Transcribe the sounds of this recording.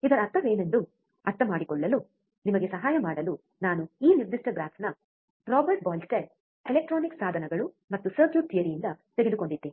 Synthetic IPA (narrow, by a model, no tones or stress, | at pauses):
id̪ɐɾɐːɾt̪ʰːɐʋe̞ːne̞nd̪u | ɐɾt̪ːɐmaːɽikɔɭːɐlu | nimɐɡe̞sɐɦaːjɐmaːɽɐlu | naːnuiːniɾd̪iʂʈɐɡɾaːt̪ʰnɐ | ɾɔːbɐɾʈ̚baːlsʈeɾ | elek̚ʈɾoːniksaːd̪ʱɐnɐɡɐɭu | mɐt̪ːusɐɾd͡ʒuːʈ̪ʰijɐɾijind̪ɐt̪eɡe̞d̪uko̞ɳɖid̪ːe